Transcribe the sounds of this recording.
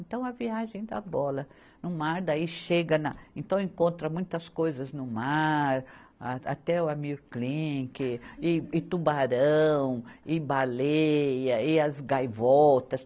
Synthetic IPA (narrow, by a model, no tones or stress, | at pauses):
ẽnt̪ɐ̃w̃ɐviaʒẽj̃d̪ɐ̰bɔlɐ | nʊmaɾd̪aiʃeɡɐnɐẽnt̪ɐ̃w̃ẽŋkõnt̪ɾɐmũj̃t̪ɐskojzɐznʊmaɾaa̰t̪ɛʊamiɾklĩkɪɪɪt̪ubaɾɐ̃w̃ɪbalejɐɪɐzɡajvɔwt̪ɐs